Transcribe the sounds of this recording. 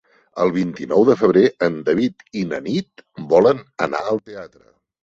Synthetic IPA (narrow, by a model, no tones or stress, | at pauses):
ə̰lˠβ̞int̪inɔwðəfəβ̞ɾeənd̪əβ̞it̪inənit̪bɔlənə̰na̰əlˠt̪eat̪ɾə̰